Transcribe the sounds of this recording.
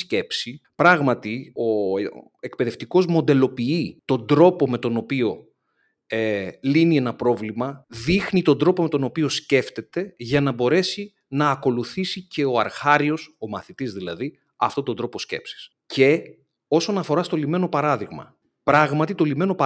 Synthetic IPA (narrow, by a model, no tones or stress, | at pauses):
sce̞psipɾɐɣmɐt̪io̞ | e̞kpe̞ðeft̪iko̞zmo̞nd̪e̞lo̞piit̪o̞nd̪ɾo̞po̞me̞t̪o̞no̞pio̞ | elinie̞nɐpɾo̞vlimɐðixnit̪o̞nd̪ɾo̞po̞me̞t̪o̞no̞pio̞sce̞ft̪e̞t̪e̞ʝɐnɐbo̞ɾe̞si | nɐːko̞luθisice̞o̞ɐɾxɐɾio̞so̞mɐθit̪izðilɐ̰ði | ɐft̪o̞t̪ond̪ɾo̞po̞sce̞̰psi̥s | ce̞ | o̞so̞nɐfo̞ɾɐst̪o̞lime̞no̞pɐɾɐðiɣmɐ̰ | pɾɐɣmɐt̪it̪o̞lime̞no̞pɐ